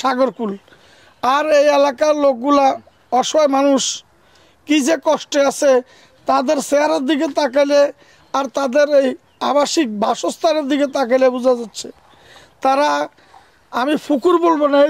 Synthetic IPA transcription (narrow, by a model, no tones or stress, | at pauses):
ʃaɡoɾkul | aɾejelakaɾlok̚ɡula | ɔʃjmanuʃ | kid͡ʑekɔʃʈeat͡ɕʰe | t̪ad̪eɾseɦaɾaɾd̪ik̬et̪ak̬ale | aɾt̪ad̪eɾej | a̰baʃik̚bʱaʃost̪ʰaɾeɾd̪iket̪ak̬alebud͡ʑʱad͡ʑatːɕʰḛ | t̪aɾa | amifukuɾbolbona